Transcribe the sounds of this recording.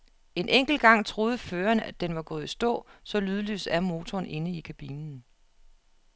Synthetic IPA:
e̝nʔeŋ̰ɡ̥l̩ɡ̥ɑ̈ŋ̰t͡sʰʁo̝ːð̞ˠəføːɐnæd̥enʋɑ̈ɡ̥ɔ̽ːð̞̩ˠisd̥ɔ̰̽ːsɒ̽lyːð̞ˠəly̰ːsæɐmo̝ːt͡sʰɒːnʔe̝nəikʰæb̥inn̩

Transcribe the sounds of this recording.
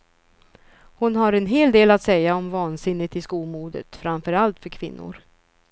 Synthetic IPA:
hʊnɦaɾɛnɦeːld̪eːlat̪sɛjːaɔmvɑːnsɪnːɪt̪ɪskuːmuːd̪ə̰t̪fɾamfœɾalt̪fœɾkʰvɪnːʊ̰ɾ

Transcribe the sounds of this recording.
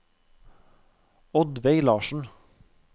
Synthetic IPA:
ɔd̪ʋeɪlɑːʃɳ̩

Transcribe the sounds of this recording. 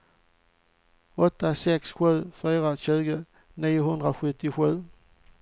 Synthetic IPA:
ɔt̪ːasɛksɧʉ̟ðˠfyːʁaɕʉːɡə | niːəɦʊnd̪ʁaɧɵt̪ːɪɧʉ̟ðˠ

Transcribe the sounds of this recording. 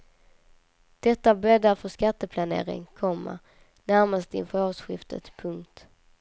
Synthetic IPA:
d̪̥ɛt̪ːabɾɛd̪afœʂkat̪ːəpʰlanḛːɾɪ̰ŋkʰɔmːa̰ | næɾmast̪əɪ̰nfœɾɑːsɧɪft̪ʰə̰t̪pʰɵŋkt̪

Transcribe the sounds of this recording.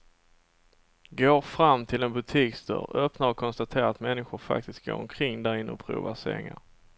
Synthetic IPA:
ɡoːɾfɾamːt̪ʰɪlɛnbɵt̪ʰiːkst̪œ̰ːɾœpnaɾɔkʰɔnst̪at̪ʰeːɾaat̪mɛnːɪɧʊɾfa̰k̚t̪ɪst̪̚ɡo̰ːɾɔ̰mkʰɾɪŋːd̪æɾɪnːəɔpʰɾṵːvasɛ̰ɪŋa̰ɾ

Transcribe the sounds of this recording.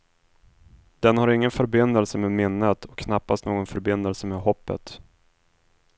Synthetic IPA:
d̪̥ɛnhaɾɪŋːənfœɾbɪnd̪əlsəmeːmɪnːət̪ʰɔkʰːnapːast̪noːɡɔnfœɾbɪnd̪əlsəmeːhɔpːə̰t̪

